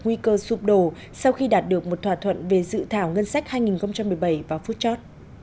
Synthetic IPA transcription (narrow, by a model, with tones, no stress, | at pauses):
ŋwi˧kəː˧su˧˩p̚ɗo˧˩ | sa˧wxi˧ɗaː˨˩t̚ɗɨ˨˩ək̚mo˨˩t̚t̪ʰwaː˧˩t̪ʰwə̰˧˨nve˨˩zɨ̰˧˨t̪ʰaː˧˩wŋə˧nsa˦˥k̚haː˧jŋi˨˩nxə˧ŋ͡mt͡ɕa˧mːɨ˨˩əjɓə˧˩jvaː˨˩fu˦˥t̚t͡ɕɔ˦˥t̚